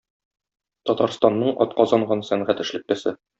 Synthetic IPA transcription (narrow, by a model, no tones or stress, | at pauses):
t̪ɒt̪ɑɾst̪ɑnːɤɴɒ̰t̪qɒzɑɴɢɑnsæɴʁæt̪ɘ̆ʃlɘ̆k̚t̪æsɘ